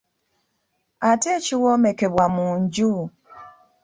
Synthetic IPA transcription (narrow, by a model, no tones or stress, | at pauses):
atet͡ʃiwɔmekeβwamuɲɟu